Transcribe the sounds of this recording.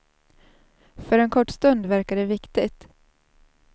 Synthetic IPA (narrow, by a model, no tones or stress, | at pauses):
fœɾɛnkʰɔʈːst̪ɵnd̪væɾkaɖɛvɪkt̪ɪt̪